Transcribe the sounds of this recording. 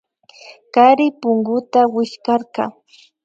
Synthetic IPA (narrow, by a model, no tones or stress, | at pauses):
kaɾɪpʊŋɡʊt̪awɪʃkɑɾkɑ